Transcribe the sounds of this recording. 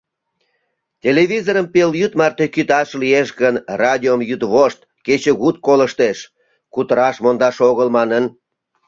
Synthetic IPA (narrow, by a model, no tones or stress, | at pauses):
tʲeleβizoɾəmpeljyt̪mɑrt̪e̽kyt̪ɑʃlijeʃɣənrɑd̪ʲiomjyt̪βoʃt̪̚ | ket͡ɕəɣut̪̚koləʃt̪eʃ | kut̪əɾɑʃmond̪ɑʃoɣəlmɑnən